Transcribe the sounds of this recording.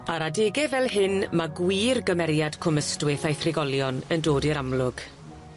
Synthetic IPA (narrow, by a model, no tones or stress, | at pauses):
aɾadeːɡɛvɛlˠhɪnmaɡwiːrɡəmɛɾjad̥kʰʊməstwɪθajθrɪɡɔlˠjɔnəndoːdiɾamlˠʊɡ̥